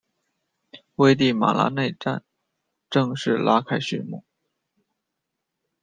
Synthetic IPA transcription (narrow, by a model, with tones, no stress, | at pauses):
we˥˧ɪt̪i˥˩ma̰˨˩la̰˧˥ne˥˧ɪʈ͡ʂa̰˥˧n | ʈ͡ʂɤ˥˧ŋʂɻ̩˥˧lʔa˥kʰa˥ɪɕy̰˥˩mṵ˥˩˦